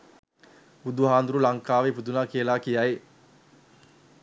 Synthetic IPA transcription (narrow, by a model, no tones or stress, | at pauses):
bud̪uɦaːnd̪uɾulaŋkaːʋebud̪unaːkijəlaːkijae